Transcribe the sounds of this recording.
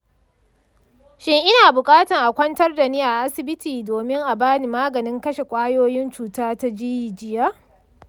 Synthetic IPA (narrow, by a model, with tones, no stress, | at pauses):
ʃɪ˦ŋʔɪ˦naː˨bʊ˨kʼaː˦tɐ˨ŋʔa˨kʷɐ˦ntɐ˦rda˨niː˦ʔa˨ʔa˦sɪ˨bɪ˦tʰiː˨doː˨mɪ˦ŋʔa˨baː˦ni˨maː˦ɡɐ˨nɪ˦ŋkɐ˦ʃe˨kʷʼaː˦joː˦jɪ˦nt͡ʃuː˨taː˦ta˦d͡ʒiː˦ji˨d͡ʒɪ˦ja˦